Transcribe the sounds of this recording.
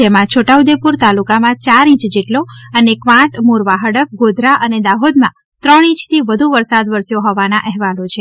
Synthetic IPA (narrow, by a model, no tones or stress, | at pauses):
emãt͡ʃʰoʈaud̪epuɾt̪alukamãt͡ʃaɾĩt͡ʃd͡ʒeʈloənekʋãʈmuɾʋaɦəɽəf̚ɡod̪ʱɾaʔəned̪aɦod̪mã | t̪ɾəɽĩt͡ʃt̪ʰiʋəd̪ʱuʋəɾsad̪ʋəɾsjoɦɔʋanaʔɛɦʋalot͡ʃʰe